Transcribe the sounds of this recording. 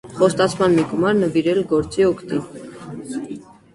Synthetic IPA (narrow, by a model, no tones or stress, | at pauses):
χɔst̪ɑt͡sʰmɑnmiɡumɑɾnəviɾɛlɡɔɾt͡siɔkʰt̪in